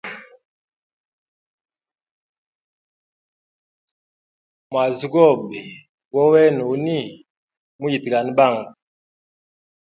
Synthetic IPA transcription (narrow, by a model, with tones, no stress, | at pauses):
mwa˨zi˦ɡɔ˦˨bi˨ | wɔ˦wɛ˦nu˨u˦ni˦˨ | mu˦ji˨ti˨ka˨ni˨˦ba˦˨ŋɡa˨